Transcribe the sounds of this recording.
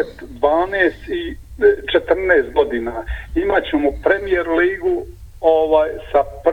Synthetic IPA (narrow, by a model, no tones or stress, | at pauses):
t̪d̪ʋaːneːst̪it͡ʃet̪r̩nɛːst̪̚ɡo̞d̪iːnaimat͡ɕemopɾe̞mijeɾliːɡu | oʋaːjsap